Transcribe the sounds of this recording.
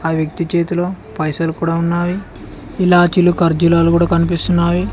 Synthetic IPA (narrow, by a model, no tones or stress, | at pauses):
aːʋjɐk̚t̪it͡ʃe̞ːt̪uloː | pɐjsɐlukuːɽaːunːaːji | ilaːt͡ʃilukɐɾd͡ʒulaːlukuːɽaːkɐnipist̪unːaːji